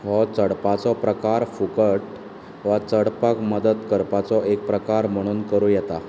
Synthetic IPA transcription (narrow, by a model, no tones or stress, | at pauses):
hɔt͡səɽpat͡sɔpɾəkaɾfukəʈ | ʋat͡səɽpakməd̪ət̪kəɾpat͡sɔʔek̚pɾəkaɾm̤əɽ̃uːnkəɾujɛt̪a